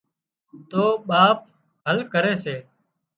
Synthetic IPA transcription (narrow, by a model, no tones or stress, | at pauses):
t̪oːɓaːp̚ | ɦəlkəɾeːseː